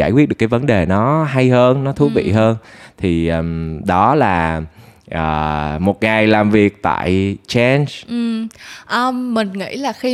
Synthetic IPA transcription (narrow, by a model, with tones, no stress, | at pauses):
aː˧˩jkwi˦˥t̚ɗɨ˨˩kːjvə˨˦nɗe˨˩nɔ˨˦ɦa˧jhəː˧nːɔ˨˦t̪ʰu˨˦vḭ˧˨ɦəː˧nt̪ʰi˨˩ʔɗɔ˨˦laː˨˩ʔəː˨˩mo˨˩t̚ŋa˨˩jlaː˨˩mvi˨˩ək̚t̪a̰ː˧˨jt͡ɕɛ˧nsʔɨ˨˩mʔəː˧˩ï˨˩ŋ̟ŋḭ˧˥laː˨˩xi˧